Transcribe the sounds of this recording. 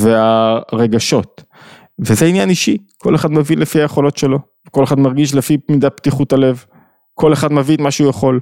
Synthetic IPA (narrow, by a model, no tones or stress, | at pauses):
veaʁe̞ɡaʃo̞t | vezeinjaniʃikʰo̞le̞χad̪mavinlefiajeχo̞lo̞tʃe̞lo̞ | vko̞leχadmaʁɡiʃ̬lefimidaptiχutale̞v | kʰo̞leχad̪mavitmaʃeujaχo̞l